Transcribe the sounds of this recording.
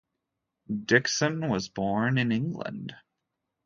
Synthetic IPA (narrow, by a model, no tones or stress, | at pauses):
dɪksɨ̃nwʌzbɔɹnɨ̃nɪ̃ŋɡlə̰̃nd̥